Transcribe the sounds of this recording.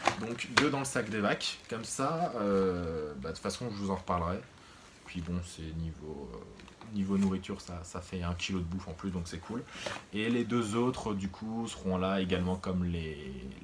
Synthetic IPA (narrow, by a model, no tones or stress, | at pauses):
d̪ɔ̃kd̪ød̪ɑ̃ləsakd̪evakːɔmsaø | bad̪əfasɔ̃ʒəvuzɑ̃ʁəpaʁləʁɛ | pɥibɔ̃sɛnivoø̰ | nivonuʁit̪yʁsasafɛɛ̃kʲʰilod̪əbufɑ̃plysd̪ɔ̃ksɛkʰuleled̪øzot̪χd̪ykʰusəʁɔ̃laeɡalmɑ̃kɔmle